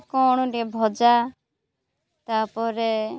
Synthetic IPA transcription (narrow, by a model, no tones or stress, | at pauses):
kɔɽ̃uɖebʱɔd͡ʒa | t̪aːpɔɾɛ